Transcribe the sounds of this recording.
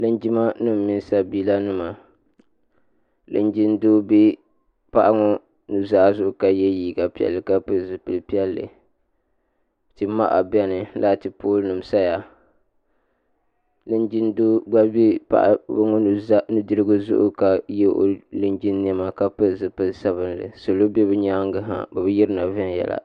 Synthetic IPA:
lɨ˦nd͡ʒi˦ma˦nɨ˦m̩˨mi˦n˦sa˦biː˦la˦nɨ˦ma˨ | lɨ̰˨nd͡ʒi˦ndoː˦bi˦ | pa˦ʔa˦ŋɔ˦ | nu˨zaː˦zʊ˦ʔʊ˨ka˨jɛ˦jiː˦˨ɡa˨pi˦ɛ̰˨lːɨ˨ka˦pɨ˦lzɨ˨pɨ˨lpi˦ɛ˦lːɨ̰˨ | tɨ˨ma̰˦ʔa̰˨bɛ˦nɨ˨la˦˨tɨ˨poː˦lnɨ˨m˨sa˦ja˨ | lɨ˦nd͡ʒi˦ndoː˦ɡ͡ba˦bi˦pa̰˦ʔbɨ˦ŋɔ˦nu˨za˦nu˦dɨ˦ɾɨ˦ɡɨ˦zʊ̰˦ʔʊ̰˦ka˨jɛ˦ʔo̰˦lɨ˦nd͡ʒi˦nː˦ɛ˦ma˨ka˦pɨ˦lzɨ˨pɨ˨lsa˦βɨ˦nlɨ̰˨so˨lo˦bɛ˦bɨ˦ɲa˦ŋɡɨ˦ɦa̰˨bɛ˨bɨ˦ji˦ɾɨ˦na˨vɛ˦n˨jɛ̰˨la̰˨

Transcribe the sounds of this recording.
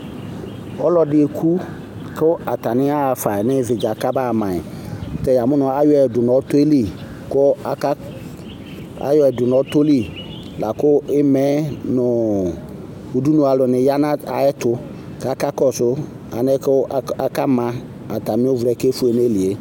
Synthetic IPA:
ɔ˦lɔ˦dɪ˦e˨kʰu˦ | kɪ˦a˨ta˨nɪ˦a˦a˨fa˨nɪ˦vɪ˨d͡ʒa˨ka˦ba˦˨mã˨ɪ˨ | tɛ˨ja˨mʊ˦nʊ̃˨a˦jɔ˦ɛ˨dʊ˨nɔ˨˦t̪ʊ˦e˦li˦ | kʊ˦a˨ka˦ | a̰˦jɔ˦ɛ˨dʊ˨nɔ˨˦t̪o˦li˦ | la˨kʊ˦ɪ˦mɛ˨˦nʊ˨ | u˨du˦nʊ˨a˨lʊ˨nɪ˨ja˦na˦a˨ɛ˦tʊ˦ | ka˦ka˦kɔ˦˨sʊ˦ | a̰˨nɪ˦ka˦ka˦mã˨ | a˨ta˨mɪ̃˦ʊ˦vɾɛ˨ke˦fu˦e˨ne˦li˨e˨˦

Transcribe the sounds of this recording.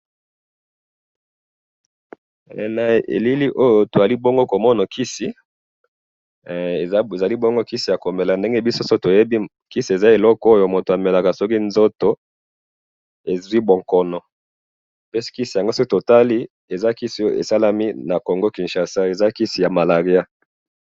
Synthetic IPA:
na˨ḛ˨li˦li˦ʔo˦jo˨to˨za˨li˦bo˦ŋɡo˦ko˨mɔ˦na˨kʰi˦si˨ | e˨˦˨za˨li˦bo˦ŋɡo˦ki˦si˨ja˨ko˨me˨la˨nde˦ŋɡe˦bi˦so˦so˦to˨je˦bi˦ | ki˦si˨e˨za˦e˨lɔ˦ko˦jo˨mo˨to˨a˨mɛ˨la˨ka˨sɔ˦ki˦nzo˦to˨ | e˨zwi˦bo˨ŋkɔ˨nɔ˨ | pɛ˦si̥˦ki˦si˨ja˨ŋɡo˦so˦to˨ta˦li˦ | e˨za˦ki˦si˨˦o˦˨ḛ˨sa˦la˦mi˦na˨ko˨ŋɡo˦ki˨nʃa˨sa˦e˨za˦ki˦si˨ja˨ma˨la˨ʁi˨˦a˦

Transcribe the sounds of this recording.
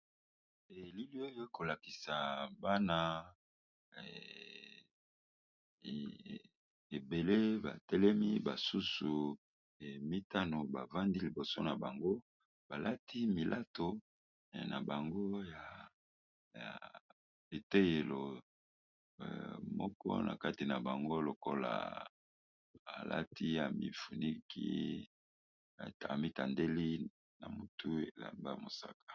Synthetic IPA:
e˨li˦li˦o˦jo˦ko˨la˨ki˨sa˨ba˦na˦˨ | e˨be˨le˦ba̰˨tɛ˦lɛ˦mi˦ba˨su˦su˨ | mi˦ta˦no˨ba̰˨va˦ndi˦li˨bo˨so˦na˨ba˨ŋɡo˦ | ba˨la˦ti˦mi˨lʔa˦to˨ | na˨ba˨ŋɡo˦ja˨ | ja̰˨ | e˨te˦je˨lo˨ | mɔ˦kɔ̰˦nʔa̰˨ka˦ti˨na˨ba˨ŋɡo˦lo˨ko˦la̰˨ | a˨lʔa̰˦tʰi˦ja˨mḭ˦fu˨ni˦kʰḭ˦˨ | ta˨mi˦ta˨nde˦li˦ | na̰˨mu˦tʰu˦e˨la̰˨mba̰˦mo˨sa˦kḁ˨

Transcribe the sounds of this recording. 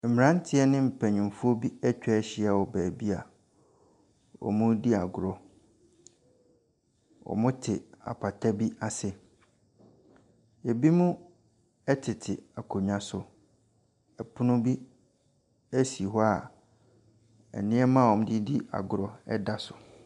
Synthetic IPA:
m̩˨mɪ̃˨ɾã˦n̩˦tʰɪ˦ɛ˦nɪ̃˦m̩˨pʰæ˨ɲũ˨m˨fu˦o˦bi˦ɛ˦t͡ɕᶣɛ˦ɛ˦ɕɪ˦a˨wɔ˨bæː˨bi˦a˨ | wɔ̰˨mʊ̃˦di˦a˨ɡʊ˨ɾɔ˨ | wɔ̰˨mʊ̃˦tʰɪ˨a̰˨pʰa˨tʰa˦bi˦a˨sɪ˨ | e˨bi˦mʊ̃˦ | ɛ˦tʰɪ˨tʰɪ˨a˨kʰo˨ɲã˨sʊ˨ | ɛ˨pʰʊ˦nʊ̃˦bi˦ | æ˦si˨ɦɔ˦a˨ | ɛ̰˨nɪ̃˦ɛ˦mã˦˨wɔ˨m̃˦di˦di˦a̰˨ɡʊ˨ɾɔ˨ɛ̰˦da˦sʊ˨

